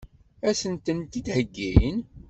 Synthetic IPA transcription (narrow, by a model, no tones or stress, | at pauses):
æsənt̪ənt̪id̪həɡːijn